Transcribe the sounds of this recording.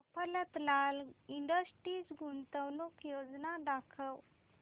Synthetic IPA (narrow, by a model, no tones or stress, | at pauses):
əpələt̪laliɳɖəsʈɾiːt͡sɡunt̪əwnukjod͡znaɖakʰəw